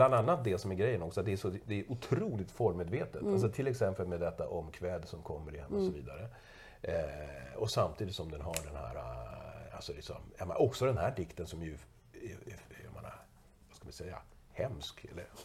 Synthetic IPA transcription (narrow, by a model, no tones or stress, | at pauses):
bland̪anːat̪̚d̪eːlsɔmæɾɡɾɛjːənɔksɔat̪̚d̪ɛæʂɔd̪ɛːʔʊt̪ʰɾuːlɪt̪fɔɾmeːd̪veːt̪ət̪als̬ɔt̪ʰɪlɛksɛmpəlmed̪ɛt̪ːa̰ʔɔmːkʰvɛd̪sɔmkʰɔmːəɾɪhɛmːɔsɔviːd̪aɾə | ɔsamt̪ʰiːd̪ɪt̪sɔmd̪ɛnɦaɖɛnhæ̰ːɾa̰a̰lsɔlɪksɔ̰mja̰mɛ̰nʔɔksɔd̪ɛnhæːɖɪkt̪ənsɔmæjɵ | ɑ̰mḛːna̰ | vaskamaɪnsɛjːa̰hɛmskɛ̰lːəɾ